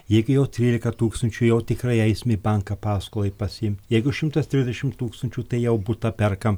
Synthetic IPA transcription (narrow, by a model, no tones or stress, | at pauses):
jɛɪɡʊjɛʊt̪ʲɾʲiːlʲɪkɐt̪uːkst̪ɐnʲt͡ʃʲuːjɛʊt̪ʲɪkɾɐɪɛɪsʲmʲebɐŋkɐpɑːskoːlˠɐɪpɐsʲɪɪmʲt̪ʲjɛɪɡʊʃʲɪmt̪ɐst̪ʲɾʲɪzʲdʲɛʃʲɪmt̪uːkst̪ɐnʲt͡ʃʲuːt̪ɐɪjɛʊbut̪ɐpʲɛɾkɐm